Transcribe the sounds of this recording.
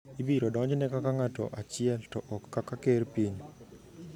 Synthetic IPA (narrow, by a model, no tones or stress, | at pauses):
ibiɾɔdɔɲd͡ʒnɛkakaŋatɔ̰ʔat͡ʃɪɛltɔʔɔkːakakerpiɲ